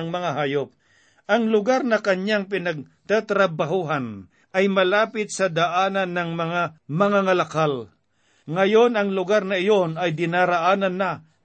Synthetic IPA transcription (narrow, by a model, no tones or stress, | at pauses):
ŋmɐŋaɦaːjop̚ | ʔɐŋlʊɡaɾnɐkɐɲaŋp̬ɪnɐɡ̚t̪at̪ɾɐbaɦuːɦan | ʔɐjmɐlaːpɪt̪̚sɐd̪aʔaːnɐnːɐŋmɐŋamɐŋaŋɐlakal | ŋɐjonɐŋlʊɡaɾnɐɪjonɐjd̪ɪnaɾaʔaːnɐnːa